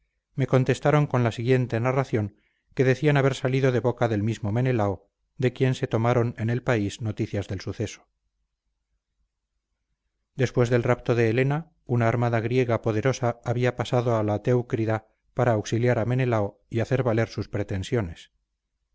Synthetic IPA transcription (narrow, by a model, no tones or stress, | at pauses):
me̞ko̞nt̪e̞st̪aɾo̞ŋko̞nlasiɣje̞nt̪e̞naraθjo̞ŋ | ke̞ðe̞θianaβe̞ɾsaliðo̞ðe̞βo̞kaðe̞lmizmo̞me̞ne̞lao | d̪e̞kje̞nse̞t̪o̞maɾo̞ne̞ne̞lpaizno̞t̪iθjazðe̞lsuθe̞so̥ | d̪e̞spwe̞zðe̞lrapt̪o̞ðeːle̞na | unaːɾmaðaɣ̞ɾje̞ɣ̞apo̞ð̞e̞ɾo̞saːβiapasaðo̞alat̪e̞wkɾiða | paɾaːwksiljaɾame̞ne̞lao | iaθe̞ɾβale̞ɾsuspɾe̞t̪e̞nsjo̞ne̞s